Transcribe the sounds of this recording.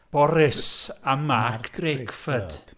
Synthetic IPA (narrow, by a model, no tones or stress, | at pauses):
b̥ɔɾɪsamaːkʰd̥rekfəd̥